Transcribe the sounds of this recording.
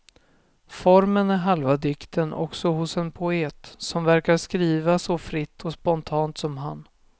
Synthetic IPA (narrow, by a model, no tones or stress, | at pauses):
fɔɾmənæɾɦalvad̪ɪkt̪ənʔɔ̰ksɔɦʊsɛnpʰʊeːt̪sɔmvæɾkaɾʂkɾiːvasɔfɾɪt̪ʰːɔspɔnt̪ʰɑːnt̪sɔmɦan